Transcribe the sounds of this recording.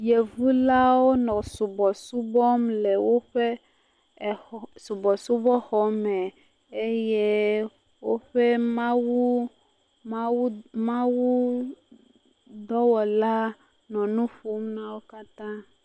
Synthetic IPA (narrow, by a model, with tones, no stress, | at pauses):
je˨vu˦la˦wo˦nɔ̃˨su˨bɔ˨su˦bɔ˦mle˨wo˦ɸe˦˨ | su˨bɔ˨su˦bɔ˦xɔ˨mɛ˨ | e˦je˦ | wo˦ɸe˦mã˦wu˦ | mã˦wu˦mã˦wu˦ | d̪ɔ˦wɔ˨la˦ | nɔ̃˨nũ˦ɸu˨˦mnã˦wo˦ka˦t̪ã˦